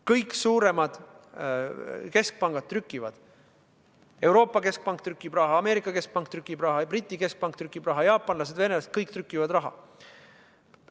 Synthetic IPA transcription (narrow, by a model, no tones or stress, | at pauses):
kɤjksuːɾe̞mɑd̪̥ | ke̞sk̚pɑŋɡ̥ɑd̪̥̚t̪ːrykːˑivɑd̪̥ | e̞wɾo̞ːpˑːɑke̞sk̚pɑŋk̚t̪rykːˑib̥rɑɦɑɑme̞ːɾikːˑɑke̞sk̚pɑŋk̚t̪rykːˑibrɑɦɑbrit̪ʲːˑike̞sk̚pɑŋk̚t̪rykːˑib̥rɑɦɑjɑːpːˑɑnlɑs̬e̞d̪ve̞nelɑst̪̚kɤjk̚t̪rykːˑivɑd̪rɑɦɑ̰